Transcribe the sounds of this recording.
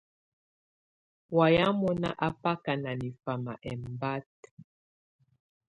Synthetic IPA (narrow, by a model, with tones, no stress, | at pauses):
wa˨ja˦mɔ˦na̰˦ʔa˦pa˦ka˨na˨ni˨fa˨ma̰˨ʔɛ˨m˨ba˦t̚